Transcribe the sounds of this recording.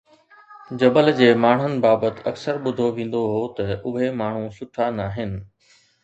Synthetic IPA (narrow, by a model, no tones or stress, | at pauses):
d͡ʑɐbəld͡ʑeːmaːɳ̤ənɪ̆baːbət̪ɪ̥̆ɐksəɾɓʊd̪ʱoʋẽːn̆d̪oɦoːt̪ɐʊɦemaːɳ̤ũsʊʈʰanaːɦɪnɪ̆